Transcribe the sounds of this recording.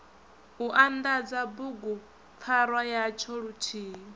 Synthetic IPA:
uʔand̪ad͡zabuɡu | p̪fʰaɾwajat͡ʃʰɔɺutʰiː

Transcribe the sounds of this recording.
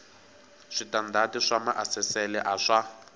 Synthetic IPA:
ʂitandʱatiʂamaʔasɛsɛlɛʔaʂa

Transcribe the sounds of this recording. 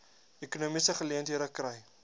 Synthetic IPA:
ekunumisəχəliəntɦiəɾəkrəj

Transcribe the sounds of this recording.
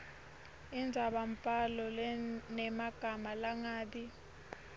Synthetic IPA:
ind͡zʱaɓam̩pʼalɔlnɛmaɡ̥ʱamalaŋaːɓi

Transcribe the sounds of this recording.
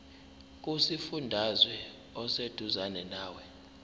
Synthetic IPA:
k̬ʼusifundʱazwɛ | ɔsed̥ʱuzanɛnaːwɛ

